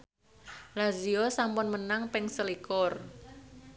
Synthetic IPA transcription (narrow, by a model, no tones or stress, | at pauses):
laziosampʊnmənaŋpɪŋsəlikɔr